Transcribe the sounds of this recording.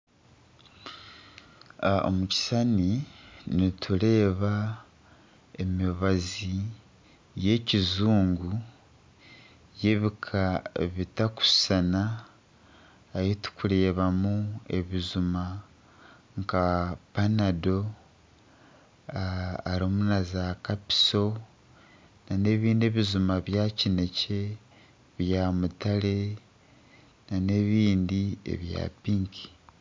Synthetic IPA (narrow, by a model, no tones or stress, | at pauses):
o̰muci̥saninitʰuɾe̞ːβa | e̞miβazi | je̞cizuːŋɡu | je̞βikʰaβitaku̥sana | jitu̥kuɾe̞ːβamue̞̰βizuma | ŋkapanado̞ | ɾomunazakapi̥so̞ | nane̞βiːndieβizumaβjacine̞ce | βjaːmutale̞ | nane̞βiːndiḛβja̰piːŋkʰi̥